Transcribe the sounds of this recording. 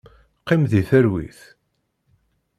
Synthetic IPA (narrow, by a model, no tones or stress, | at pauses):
qːɪmðiθæɾwḭθ